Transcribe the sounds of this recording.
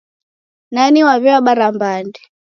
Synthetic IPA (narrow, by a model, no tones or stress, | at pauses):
naniwaβɛwaɓaɾambandɛ